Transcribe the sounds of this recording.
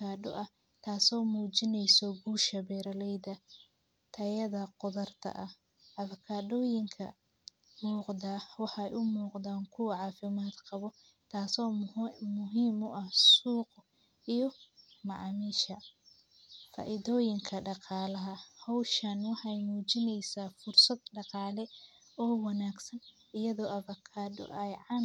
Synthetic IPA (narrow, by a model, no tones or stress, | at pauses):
kʰaːɖɔʔɐh | t̪ʰaːsɔːmuːt͡ʃɪnɛjsɔɡuːʃɐbɛːɾɐlɛjðɐ | t̪ʰɐjɐðɐqʊðɐrt̪ʰɐ̰ʔɐh | ʔɐðɐkʰaːɖɔːjɪŋkʰɐ̰ | muːqdaːwɑħɑɛjʔʊmuːqd̪aːŋkʰʊwɑʕɑːfɪmaːd̪qɑβɔ | t̪ʰaːsɔːmʊɦiːmʊʔɐhsuːq | ijɔmɑʕɑːmiːʃɐ | fa̰ːʔɪðɔːjɪŋkʰɐɖɑqɑːlɐɦɐhɔwʃanwɑħɑjmuːt͡ʃɪnɛjsaːfʊrsɐd̪ɖɑqɑːlɛ | ɔːwɑnaːɡsɐn | ɪjɐðɔːʔɐβɐkʰaːɖɔ̰ʔɛjʕɑ